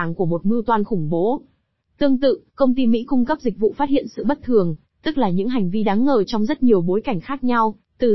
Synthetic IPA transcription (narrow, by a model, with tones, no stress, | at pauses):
ŋku˧˩əmo˨˩t̚mɨ˧t̪waː˧nxʊ˧˩ŋ͡mɓo˨˦ | t̪ɨ˧əŋt̪ɨ̰˧˨kə˧wŋ͡mt̪i˧mḭ˧˥kʊ˧ŋ͡mkə˦˥p̚zï˨˩k̟̚vṵ˧˨faː˦˥t̚hḭ˧˨ənsɨ̰˧˨ɓə˦˥t̚t̪ʰɨ˨˩əŋ | t̪ɨ˦˥k̚laː˨˩ɲɨ̰˧˥ŋɦa˨˩jŋ̟vi˧ɗaː˨˦ŋːəː˨˩t͡ɕɔ˧wŋ͡mzə˦˥t̚ɲi˨˩əwɓo˨˦jka˧˩jŋ̟xaː˦˥k̚ɲa˧w | t̪ɨ˨˩